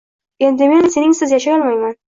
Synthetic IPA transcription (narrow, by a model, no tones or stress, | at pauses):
e̞nd̪ɪme̞nse̞nɪŋsɪzjaʃajɒlˠmajman